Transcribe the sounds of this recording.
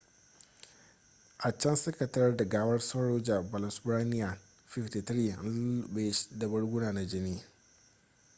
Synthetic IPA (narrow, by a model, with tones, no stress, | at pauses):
ʔa˨t͡ʃɐ˦nsɐ˦kɐ˨tɐ˦rda˨ɡaː˦wɐ˦rsa˦ɽoː˦d͡ʒa˨ba˨la˨sbɾaː˦nɪ˦ja˨ | fɪ˦fti˨t̪ɾiː˦˨n˦be˦ʃda˨bɐ˦ɽɡʊ˦naː˨na˨d͡ʒɪ˦ni˦